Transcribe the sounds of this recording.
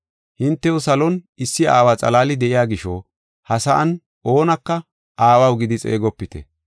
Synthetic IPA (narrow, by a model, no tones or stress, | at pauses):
hɪnt̪ːɛwʊsɐlɔn | ɪsːɪaːwaːt͡sʼɐ̰laːlɪd̪ɛʔɪjaːɡɪʃɔ̰ | hɐsɐʔɐn | ʔo̞ːnɐkːɐ | ʔaːwɐwɡɪd̪ɪt͡sʼḛːɡɔpːɪt̪ɛ̰